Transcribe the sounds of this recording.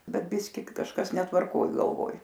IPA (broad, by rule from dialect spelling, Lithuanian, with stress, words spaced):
ˈbʲɛt ˈbʲɪsʲkʲɪ kɐʃˈkɐs nʲɛtʋɐrˈkoːj ɡɐlˠˈʋoːj